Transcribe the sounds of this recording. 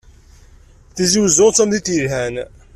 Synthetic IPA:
θiziwzoʁt͡sːæmðit̪iɾɦæn

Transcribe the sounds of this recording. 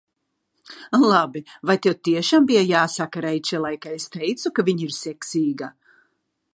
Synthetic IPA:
lˠabivajt̪ewt̪iɛʃaːmbijajaːsakaɾɛjt͡ʃɛlˠajkaest̪ɛjt̪sukaviɲiɾsɛksʲiːɡa

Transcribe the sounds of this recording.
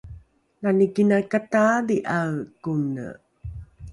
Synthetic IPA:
nanikinakatadiʔaɭkunə̰

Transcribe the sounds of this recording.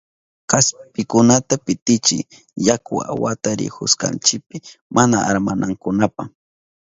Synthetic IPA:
kaspɪkʊnat̪apɪt̪ɪt͡ʃɪ̰j | jakʊa̰wat̪aɾɪ̰hʊ̰ska̰nt͡ʃɪk̚pɪmʔanaʔa̰ɾmanʔaŋkʊnapaχ

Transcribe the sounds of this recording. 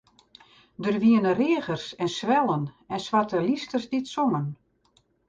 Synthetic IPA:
dərʋiənərɪːɣərsɛnsʋɛlˠən | ɛnsʋatəlistərsditsɔŋən

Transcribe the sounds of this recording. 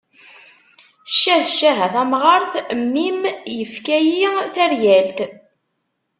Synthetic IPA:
ʃːæʃːæɦæθæmʁɑɾˤθmːimjəfkæjiθæɾjælt̪

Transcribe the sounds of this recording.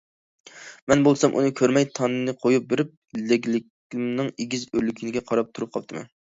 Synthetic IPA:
mɛnbolˠsɑmʔṵnɨkʲʰøɾmɛjt̪ʰɑnːɨnɨqʰojup̚bɪɾɪp̚ | lɪɡʲlɪkʲ | lɪmnɨŋeɡʲizølkʲʰinɪɡʲɛqʰɑɾɑp̚t̪ʰuɾup̚qʰɑp̚t̪ʰɨmɛ̰n

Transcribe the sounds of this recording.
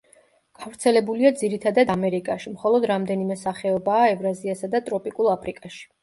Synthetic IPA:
ɡ̥avɾt̪sʰɛlɛbuliad̪ziɾit̪ʰad̪ad̪amɛɾikʼaʃimχɔlˠɔd̪ɾamd̪ɛnimɛsaχɛɔbaːɛvɾaziasad̪at̪ʼɾɔpʼikʼulˠapʰɾikʼaʃi̥

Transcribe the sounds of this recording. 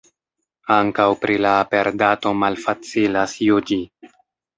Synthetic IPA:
aŋkawpɾilaːpe̞ɾdato̞malfat͡silasjud͡ʒi

